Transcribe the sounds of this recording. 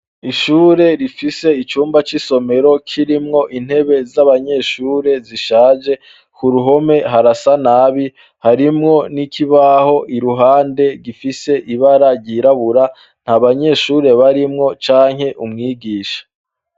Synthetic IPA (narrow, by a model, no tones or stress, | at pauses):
iʃuːɾe̞ɾifise̞it͡ʃuːmbat͡ʃiso̞me̞ɾo̞kʰiɾimŋo̞ʔin̥he̞βe̞zaβaɲe̞ʃuːɾe̞ziʃaːd͡ʒe̞ | kuɾuɦo̞me̞ɦaɾasanaβi | haɾimŋo̞nikʰiβaho̞ʔiɾuɦaːnde̞ɡifise̞ʔiβaɾaɾɟiɾaβuɾa | n̥haβaɲe̞ʃuːɾe̞βaɾimŋo̞t͡ʃaːŋ̥he̞ʔumŋiːɡiːʃḁ